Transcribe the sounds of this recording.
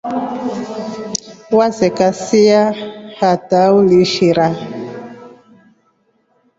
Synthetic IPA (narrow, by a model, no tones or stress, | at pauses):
wazɛkasiahatauliʃiɾa